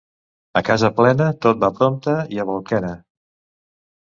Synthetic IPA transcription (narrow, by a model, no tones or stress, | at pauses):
əkazəplɛnət̪ot̪̚bapɾomt̪əiəβolˠkɛnə